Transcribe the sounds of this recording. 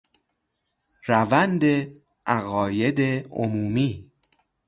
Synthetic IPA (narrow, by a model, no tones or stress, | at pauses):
ɾævænd̪e | ʔæɣɒːjed̪eo̰muːmiː